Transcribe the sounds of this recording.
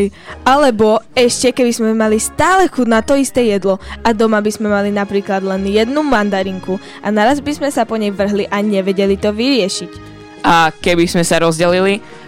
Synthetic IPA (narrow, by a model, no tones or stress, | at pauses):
jalɛbɔɛʃcɛkɛbizmɛmalist̪aːlɛxunat̪ɔist̪ɛːjɛd̪lɔad̪ɔmabizmɛmalinapɾiːklad̪lɛnjɛd̪numand̪aɾiŋku | ʔanaɾazbizmɛsapɔɲɛjʋr̩ɦliʔaɲɛʋɛɟɛlit̪ɔʋiɾɪɛʃic | akɛbiz̥mɛsaɾɔzɟɛlili